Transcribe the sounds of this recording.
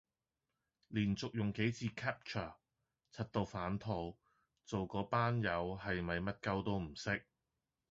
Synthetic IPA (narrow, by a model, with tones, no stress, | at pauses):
liː˨˩nt͡sʊ˨k̚jʊ˨ŋke˨˥jt͡sʰiː˧kʰɛː˥p̚t͡ʃʰɐ˨˩ | t͡sʰɐ˨˥t̚t̪o˨˧wfaː˨˥nt̪ʰo˧w | t͡so˨wkɔː˨˥paː˥njɐ˨˧whɐ˨jmɐ˨jmɐ˥t̚kɐ˧wt̪o˥wm̩˨˩sɪ˥k̚